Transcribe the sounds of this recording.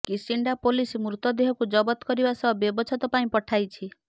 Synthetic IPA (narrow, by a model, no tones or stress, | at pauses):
kisiɳɖapolismɾut̪ɔd̪eɦɔkud͡ʒɔbɔt̪ɔ̥kɔɾibasɔbɔbɔbɔt͡ʃʰɔt̪ɔpaĩpɔʈʰajt͡ʃʰi